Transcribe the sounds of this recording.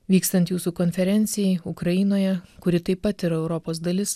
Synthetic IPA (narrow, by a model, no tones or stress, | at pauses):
ʋʲiːkst̪ɐnt̪juːsukoːnʲfʲɛɾʲɛnʲt̪sʲɪjɛɪʊkɾɐjɪnoːjɛkʊɾʲɪt̪ɐɪpːɐt̪ɪɾɐɛʊɾɔpoːs̬d̪ɐlʲɪs